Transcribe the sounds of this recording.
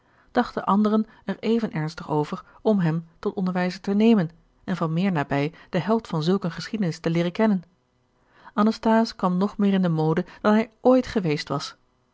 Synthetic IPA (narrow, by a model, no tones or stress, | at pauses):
d̥ɑχtəʔɑndərən | ɛɹejvənʔɛɹnstəχowvəɹɔmɦɛmtɔtɔndəɹʋɛjzətənejmən | ɛnvɑnmɪːɹnaːbɛjd̥əɦɛlˠtfɑnzɵlˠkənχəsχidənɪstəlɪːrəkɛnən | ʔɑnəstaːskʋɑmnɔχmɪːɹɪndəmowdəd̥ɑnɦɛjʔojtχəʋejstʋɑs